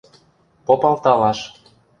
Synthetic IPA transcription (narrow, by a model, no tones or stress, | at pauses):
popɑlt̪ɑlɑʃ